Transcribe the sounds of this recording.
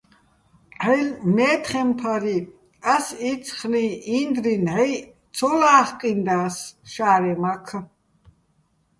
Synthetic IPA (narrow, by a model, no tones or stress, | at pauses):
ħɛlmɛːt̪χɛmpʰaɾi | asit͡sʰχniind̪rinʕɛj | t͡sʰɔlaːχqʼind̪aːsʃaːɾɛmakʰə